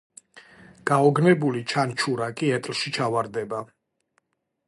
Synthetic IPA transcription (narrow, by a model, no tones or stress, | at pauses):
ɡ̥aɔɡnɛbulit͡ʃʰant͡ʃʰuɾakʼiɛt̪ʼlʃit͡ʃʰavaɾd̪ɛba